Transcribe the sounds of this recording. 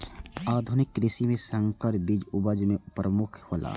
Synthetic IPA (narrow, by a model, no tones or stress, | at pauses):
aːd̪ʱʊnɪkːɾɪsimẽsə̃ŋkəɾbid͡ʒʊbəd͡ʒmẽpɾəmʊkʰhoːlʔa̰